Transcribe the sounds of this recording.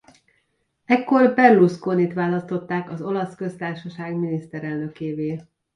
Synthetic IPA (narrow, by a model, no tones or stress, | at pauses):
ɛkːo̞rbɛrluskoːnit̪ʋaːlɒst̪o̞t̪ːaːkɒzo̞lɒskø̞st̪aːrʃɒʃaːɡminist̪ɛɾɛlnø̞keːveː